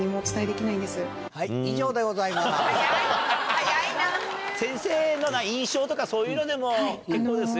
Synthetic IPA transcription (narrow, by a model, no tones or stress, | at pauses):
ɲ̟imoːt͡sɨ̥t̪aid̪ekʲinaĩnd̪e̞sɨ | haiiʑo̞ːd̪e̞ɡo̞zaimas | jainasẽ̞ɰ̃se̞ːnonaĩɰ̃ɕo̞ːt̪o̞kaso̞ːjɯːnod̪e̞mo̞kekːo̞ːd̪e̞sɨ